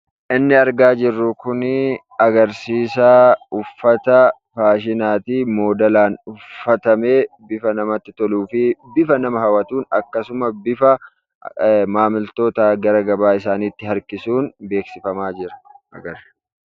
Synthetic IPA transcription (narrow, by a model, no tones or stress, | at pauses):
ʔɪnːɪɐɾɡaːd͡ʒɪrːʊkʊnɪ | ɐɡɐɾsiːsaːʊfːɐt̪ɐ | faːʃɪnaːt̪iːmo̞ːd̪ɐlaːnʊfːɐt̪ɐme̞ːbɪfɐnɐmɐt̪ːɪt̪ɔluːfɪbɪfɐnɐmɐhɐwɐt̪uːnɐ̰kːɐsʊmɐbɪfɐ | maːmɪlt̪o̞ːt̪ɐɡɐɾɐɡɐbaːɪsaːniːt̪ːɪhɐɾkɪsuːnbe̞ːksɪfɐmaːd͡ʒɪɾɐ̥ʔɐ̰ɡɐɾ